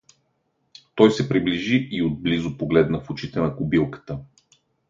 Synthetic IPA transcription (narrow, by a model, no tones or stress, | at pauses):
t̪ɔjsɛpɾibliʒiʔiod̪̚blizʊpoɡlɛd̪nəfʊt͡ʃit̪ɛnɐkʊbilˠkə̥t̪ə